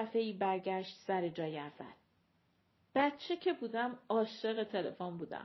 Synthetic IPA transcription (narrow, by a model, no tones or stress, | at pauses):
fe̞iːbæɾɟæʃt̪sæɾed͡ʒɒːjævæ̰l | b̥æt̪t͡ʃʰecʰe̞buːd̪æmɒːʃeɣe̞t̪ʰe̞le̞̰fonbuːd̪æ̰m